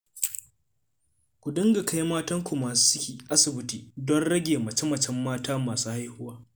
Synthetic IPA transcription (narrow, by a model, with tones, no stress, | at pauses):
kʷu˨dɪ˦ŋɡa˨ka˦jmaː˦tɐ˦ŋkʷu˨maː˨˦sɪ˦kʲiː˨ʔa˦sɪ˨bɪ˦tiː˨dɔ˦nɽɐ˦ɡʲeː˨mɐ˨t͡ʃɛ˦mɐ˨t͡ʃɛ˦mːaː˦taː˦maː˨suː˦ha˦jhʊ˦waː˦